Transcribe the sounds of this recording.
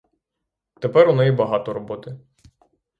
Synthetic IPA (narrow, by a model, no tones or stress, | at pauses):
t̪epɛɾʊnɛjibɐɦɑt̪ɔɾɔbɔt̪ɪ